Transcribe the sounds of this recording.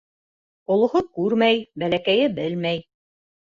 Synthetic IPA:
ŏlˠŏhokʉɾmæjbælækæjɘbɘlmæj

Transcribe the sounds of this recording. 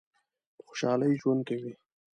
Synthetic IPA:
xo̥ʃɑləjʒwand̪̚kewi

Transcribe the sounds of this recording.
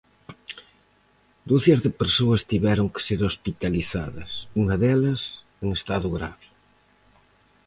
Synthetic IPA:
d̪oθɐzðepeɾsoɐst̪iβɛɾʊŋke̥seɾospit̪aliθa̰ðɐ̰suŋɐðɛlɐs | eŋest̪aðʊɣɾa̰βe

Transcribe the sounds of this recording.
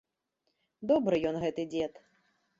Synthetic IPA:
d̪ɔbɾɨjɔnɣɛt̪ɨd͡zʲɛt̪

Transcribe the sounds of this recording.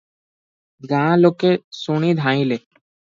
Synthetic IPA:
ɡãːlokesuɽ̃id̪ʱãːĩle

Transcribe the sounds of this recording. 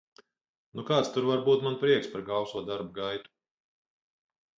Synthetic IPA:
nukaːt̪st̪uɾvaɾbuːt̪manpɾiɛkspaɾɡawsuɔd̪aɾb̚ɡajt̪u̥

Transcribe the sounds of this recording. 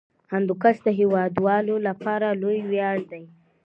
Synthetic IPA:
hand̪ukasd̪əɦewɑd̪wɑlolapɑɾalojwjɑɽd̪aj

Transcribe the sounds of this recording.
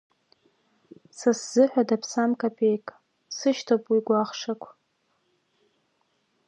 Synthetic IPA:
sasz̥ɨħʷᶣadapʰsamkʼapʼejkʼ | sɨʃtʰopʼwiɡʷaχʂakʷʰ

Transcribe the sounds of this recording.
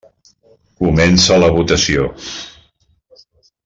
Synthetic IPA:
kumɛnsələβ̞ut̪əsio

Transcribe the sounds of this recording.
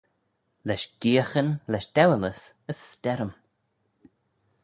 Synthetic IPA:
lɛʃɡ̥iːəxənlɛʃd̪̥ɛwələs | əsːtɛɾəm

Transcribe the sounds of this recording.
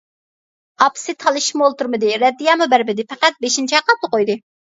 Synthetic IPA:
ɑpsɨt̪ʰɑlˠɨʃmolˠt̪uɾmɨd̪ɪɾɛd̪ːijɑmubæɾbɪd̪ɪfɛqæt̪̚beʃint͡ʃʰɛqʰɑp̚t̪ʰʊqojd̪ɨ

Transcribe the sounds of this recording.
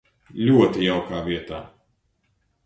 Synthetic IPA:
lʲuɔt̪ijawkaːviɛt̪a̰ː

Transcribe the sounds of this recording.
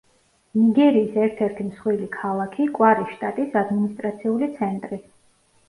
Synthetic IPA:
niɡɛɾiːsɛɾt̪ʰɛɾt̪ʰimsχwilikʰalˠakʰikʼwaɾiʃt̪ʼat̪ʼisad̪minist̪ʼɾat̪sʰiulit̪sʰɛnt̪ʼɾi

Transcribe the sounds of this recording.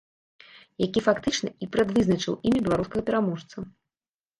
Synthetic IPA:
jakʲifakt̪ɨt͡ʂnɐ̰ipɾɐd̪vɨznɐt͡ʂɨ̰wʔimʲɐbʲɛlˠaɾuskɐɣɐpʲɛɾamɔʂt̪sɐ

